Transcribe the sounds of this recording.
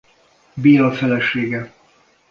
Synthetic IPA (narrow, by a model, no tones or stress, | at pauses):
biːɒfɛlɛʃeːɡɛ